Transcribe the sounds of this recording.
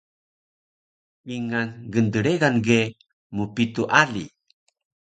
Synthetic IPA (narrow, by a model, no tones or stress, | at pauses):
wiŋanɡəndəɾeɡanɡe | mupituʔalḭ